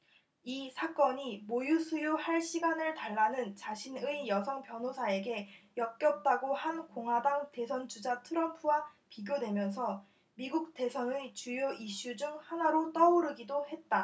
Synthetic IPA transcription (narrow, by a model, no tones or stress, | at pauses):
isʰak͈ʌɲimojusʰujohaɭɕ͈ʰiɡanɯɭtaɭːanɯnt͡ɕaɕʰinɯijʌsʰʌŋpjʌnɦosʰae̞ɡe̞jʌk̚k͈jʌp̚t͈aɡohankoŋɦwadaŋte̞sʰʌnt͡ɕud͡ʑatʰɯɾʌmpʰuwapiɡjodwe̞mjʌns̬ʰʌ | miɡuk̚t͈e̞sʰʌnɯt͡ɕujoʔiɕ͈ud͡ʑuŋhanaɾot͈ʌuɾɯɡidohe̞t̚t͈a